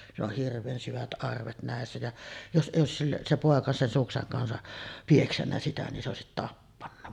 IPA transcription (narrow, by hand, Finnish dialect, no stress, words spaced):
silː oh hirʋˑeːn syʋæt ʔɑrʋet næˑesːæ jɑ jos ʔeˑijˑ oˑesis sil se poˑekɑ sen sukseŋ kɑnsɑ pieksænːæ sitæ nin se oˑesit tɑpːɑnːɑ